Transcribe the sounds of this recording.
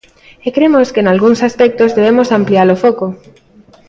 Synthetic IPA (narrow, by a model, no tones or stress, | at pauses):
ekɾemoskenalɣuŋsaspɛk̚t̪ozðeβ̞emosampliaɾofɔko